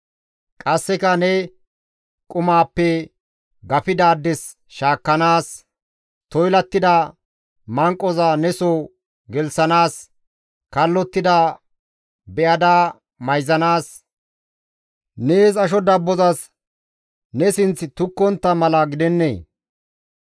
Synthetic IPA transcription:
kʼɐsːɪkɐnɛ | kʼʊmaːpːɛ | ɡɐfɪd̪aːd̪ːɛs | ʃaːkːɐnaːs | t̪ɔjlɐt̪ːɪd̪ɐ | mɐŋkʼːɔzanɛsɔ | ɡɛlsɐnaːs | kɐlːɔt̪ːɪd̪ɐ | bɛʔɐd̪aː | mɐjzɐnaːs | neːsɐʃ̬ɔd̪ɐbːɔzɐs | nɛsɪnt͡st̪ʊkːɔnt̪ːɐmɐlɐɡɪd̪ɛnːḛː

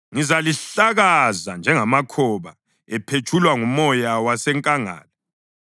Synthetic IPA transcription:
ŋizaliɬaɣazand͡ʒʱɛŋamakʰɔβa̰ | ɛpʰet͡ʃʰʼulwaŋumɔjawasɛŋkʼaŋa̰ːlɔ

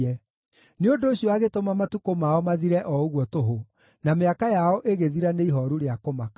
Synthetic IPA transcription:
ɛ | neondoːɕiɔaɣetomamatukomaɔmaðiɾɛʔɔoɣwɔtoɦo | nameakajaɔʔeɣeðiɾaneiɦɔɾuɾeakomaka

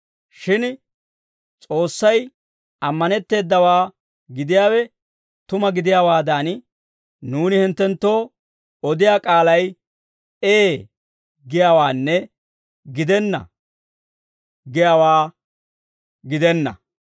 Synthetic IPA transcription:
ʃɪn | t͡sʼo̞ːsːɐj | ɐmːɐnɛt̪ːe̞ːd̪ːɐwaː | ɡɪd̪ɪjaːwɛ | t̪ʊmɐɡɪd̪ɪjaːwaːd̪aːn | nuːnɪhɪnt̪ːɛnt̪ːo̞ː | ɔd̪ɪjaːkʼaːlɐj | eː | ɡɪjaːwaːnːɛ | ɡɪd̪ɛnːɐ̰ | ɡɪjaːwaː | ɡɪd̪ɛnːɐ̰

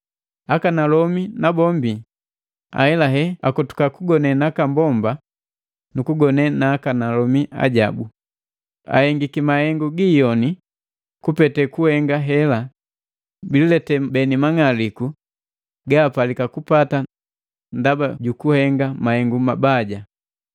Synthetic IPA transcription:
akanalɔminabɔmbi | a̰ɛlaɦɛakɔtu̥kakuɡɔnɛnakambɔmba | nukuɡɔnɛnaːkanalɔmia̰ɟabu | a̰hɛŋɡikimahɛŋɡuɡiːjɔni | kupɛtɛkuhɛŋɡaɦɛla | bililɛtɛbɛnimaŋaliku | ɡaːpalikakupata | ndabaɟukuhɛŋɡamahɛŋɡumabaɟa

